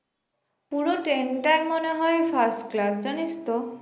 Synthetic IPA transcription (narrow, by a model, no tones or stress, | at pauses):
puɹoʈenʈajmːɔneɦɔjpʰasʈklasd͡ʒanist̪ɔ